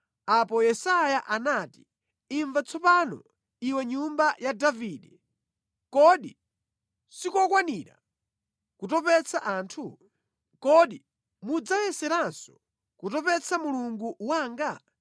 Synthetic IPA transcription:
apɔjɛsajaʔanaːti̥ː | ɱvat͡sʰɔpanɔ̰ | iwɛɲumbajadaviːɗɛ | kɔɗi | sikɔkwaniːɾa̰ | kutɔpɛt͡sʰaʔaːntʰu | kɔɗi | mud͡zawɛsɛɾansɔ̥ | kutɔpɛt͡sʰamuluŋɡuwaːŋɡa

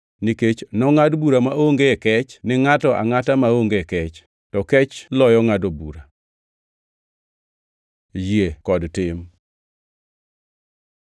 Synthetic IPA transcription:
niket͡ʃnɔŋadbuɾamaoŋɡeekɛt͡ʃnɪŋatɔʔa̰ŋatamaoŋɡekɛt͡ʃ | tɔkɛt͡ʃlɔjɔŋadobṵɾa | jekɔdtɪm

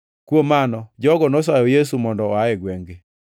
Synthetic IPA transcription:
kwomanɔd͡ʒɔɡɔnos̬ajɔjes̬umɔndɔɔaɛɡweŋɡe

